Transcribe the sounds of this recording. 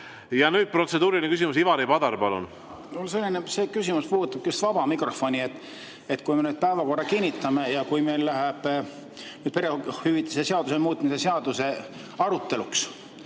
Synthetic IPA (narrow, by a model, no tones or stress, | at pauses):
jɑnyːd̪̥̚pro̞t̪se̞d̪̥uːɾilinekysimusivɑɾipɑd̪ɑɾpɑlṵn | ols̬e̞lʲːineseːkysʲimuspuːut̪ːˑɑb̥̚kust̪vɑbɑmikro̞fo̞nʲiet̪ːˑ | et̪kujme̞nyːd̪̚pæevɑko̞rːɑkinʲːit̪ːˑɑme̞jɑkujme̞jlːæɦeb̥ | nyːd̥̪̚pe̞ɾehyvit̪ˑːese̞seɑd̪use̞muːt̪ˑmise̞seɑd̪use̞ | ɑɾut̪ːˑe̞luks